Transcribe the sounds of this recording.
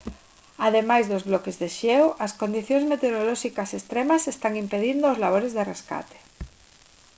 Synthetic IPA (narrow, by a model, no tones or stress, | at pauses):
aðemajzðozβlɔkezðeʃewʔɐskond̪iθjoŋzmet̪eoɾolɔʃikɐsest̪ɾemasest̪aŋimpeðind̪oozlaβ̞oɾezðereska̰t̪e̥